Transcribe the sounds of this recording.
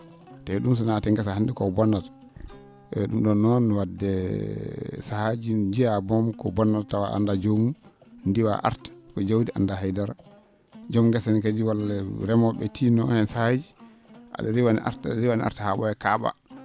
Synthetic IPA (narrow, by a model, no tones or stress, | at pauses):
tɛɗums̬ɔnatɛŋɡɛsahandikɔbɔnːat | ɛɗumɗɔnːɔnwadːɛ | sahad͡ʒid͡ʒijabɔmkɔbɔnːattːawa̰ʔa̰ndad͡ʒomu | ndiwa̰ʔa̰ɾtḁkɔd͡ʒawdiʔa̰ndaɦajdaɾ | d͡ʒɔmɡɛsɛnkad͡ʒiwalɛɾɛmɔɓɛtʰinɔhɛnsahad͡ʒi | ʔa̰ɗɔɾiwanḭʔa̰ɾtaɾiwaniʔa̰ɾtahaɓɔjɛkaɓa̰